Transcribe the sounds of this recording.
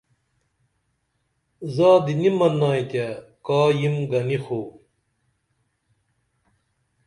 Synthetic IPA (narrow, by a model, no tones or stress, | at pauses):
zaːd̪inimɐnːaːit̪akaːjimɡɐnixoː